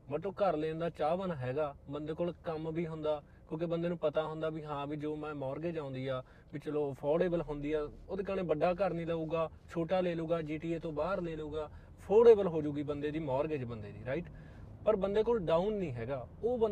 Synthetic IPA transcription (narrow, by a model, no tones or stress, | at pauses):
bəʈoːkəɾleːnd̪aːt͡ʃaːʋənɦɛːɡaːbənd̪eːkoːlkəmbiːɦʊ̃nd̪aː | kjõːkebənd̪eːnũːpət̪aːɦʊ̃nd̪aːbiːɦãːbiːd͡ʒoːmɛ̃ːmɔːɾɡeːd͡ʒãːʊ̃nd̪iːaː | bit͡ʃəloːpʰɔːɖeːbəlɦõnd̪iːaːoːd̪eːkəɽ̃ẽːbəɖːaːk̬əɾnĩːləuːɡaː | t͡ʃʰoːʈaːleːluːɡaːd͡ʒiːʈiːeːt̪õːbaːɾleːluːɡaː | pʰoːɖeːbəlɦoːd͡ʒuːɡiːbənd̪eːd̪iːmɔːɾɡeːd͡ʒbənd̪eːd̪ḭːɾaːɪʈ | pəɾbənd̪eːkoːlɖaːunːĩːɦɛːɡaːoːbə